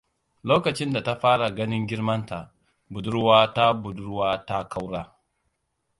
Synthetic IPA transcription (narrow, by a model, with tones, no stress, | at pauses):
loː˦kɐ˨t͡ʃɪ˦nda˨ta˦ɸaː˦ɽa˨ɡɐ˦nɪ˦ŋɡʲɪ˦ɾmɐ˦nta˨ | bu˨du˦ɾwa˦ta˦bu˨du˦ɾwaː˦ta˦ka˦wɽaː˦